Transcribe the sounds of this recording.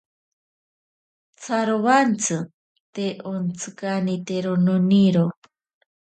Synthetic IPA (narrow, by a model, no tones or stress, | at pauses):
t͡sʰaɾoβant͡sʰɨ | t̪eʔont͡sʰɨkanit̪eɾononiɾo